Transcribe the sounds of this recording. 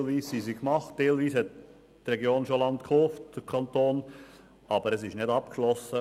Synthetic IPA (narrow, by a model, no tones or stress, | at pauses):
lʋiːssisikmɑχtd̥eːlʋiːshɛt̚ | trɛɡjoːnʃolɑnt̪kʰhoːftd̥əkʰɑnt̪oːn | ɑb̥əɾɛsɪʃnɪdɑp̚kʃlɔsə